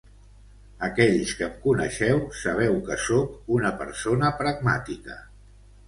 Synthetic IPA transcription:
əkɛʎskəmkunə̰ʃɛwsəβ̞ɛwkəsokunəpə̰ɾsonəpɾəɡma̰t̪ikə

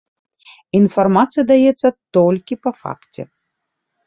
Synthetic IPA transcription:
infarmat̪sɨjɐd̪ajɛt̪sːɐt̪ɔlʲkʲipɐfa̰kt͡sʲɛ̰

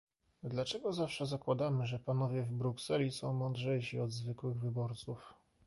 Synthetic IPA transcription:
d̪lat͡ʂɛɡɔzafʂɛzakwad̪amɘʐɛpanɔvʲjɛvbɾuksɛlʲisɔ̃w̃mɔnd̪ʐɛjɕiɔd̪zvɘkwɘɣvɘbɔɾt̪suf

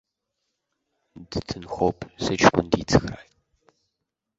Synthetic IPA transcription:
dɨtʰɨnxʷoːpʰsɨɐt͡ʃkʷʊ̰ndiːt͡sʰɨ̥xraːj

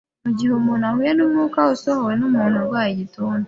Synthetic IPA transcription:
muɟihumunahwjenumukausohawenomuːnoɡwajituːn

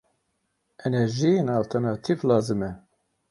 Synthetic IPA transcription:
ʔɛnɛɾʒijenɑːlt̪ʰɛɾnɑt̪ʰivlɑːzɨmɛ

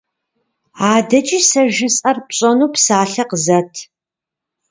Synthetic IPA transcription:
aːdɐt͡ʃʼisɐʒɪsʼɐrpɕʼɐnuːpsaːɬɐqəzɐtʰ

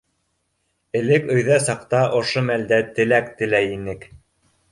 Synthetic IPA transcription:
ɘ̆lɘkɵ̆jðæsɑqt̪ɑʔŏʃomæld̪æt̪ɘ̆lækt̪ɘ̆læjinɘk

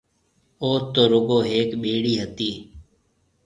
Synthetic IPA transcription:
oːt̪oːɾʊɡoːɦeːkɓeːɽiːɦət̪iː

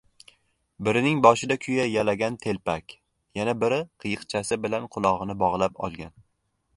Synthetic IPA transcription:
bɪɾɪnɪŋbɒʃɪd̪akʲʰʊjajalaɡʲant̪ʰe̞lpakʲ | janabɪɾɪqʰɨjɨqt͡ʃʰasɪbɪlanqʰʊlˠɒʁɨnɪbɒʁlˠapɒ̰lˠɡʲan

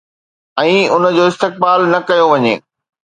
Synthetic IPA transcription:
ɛ̃ːʊnə̆d͡ʑoːɪst̪ɪk̚baːlnɐkɐjoʋɐɲḛː

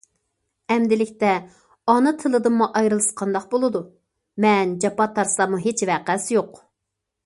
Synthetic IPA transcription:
ɛmd̪ɪlɪkʲt̪ɛ | ɑnɨt̪ʰɨlˠɨd̪ɨmːuʔɑjɾɨlˠɨsqʰɑnd̪ɑqbolˠɨd̪u | mɛnd͡ʒɑpɑt̪ʰːɑɾslˠɑmuɦet͡ʃvæqæsjoq

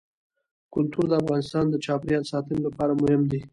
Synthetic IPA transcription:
kʊlt̪uɾd̪əafɣɑnɪst̪ɑnd̪ət͡ʃɑpɾjɑnsɑt̪ənolapɑɾamʊhɪmd̪e

